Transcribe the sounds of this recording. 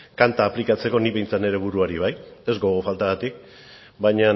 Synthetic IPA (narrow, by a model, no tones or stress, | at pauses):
kant̪aːplikat͡se̞ko̞niβe̞jnt͡sane̞ɾe̞β̞uɾuaɾiβ̞aje̞zɡo̞ɣ̞ofalt̪aɣat̪ik̚ | bajɲa